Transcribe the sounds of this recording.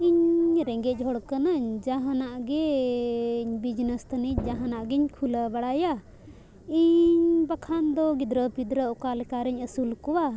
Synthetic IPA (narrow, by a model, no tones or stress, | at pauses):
iɲɾɛŋɡɛc̚ˀɦɔɽkənəɲd͡ʒaɦanaʔɡɛ | ɲbid͡ʒnəst̪ʰəniɲd͡ʒaɦanaʔɡɛɲkʰulabaɽaja | iɲɲbakʰand̪ɔɡid̪ɾəpid̪ɾəʔɔkalɛkaɾɛɲəsulkɔwa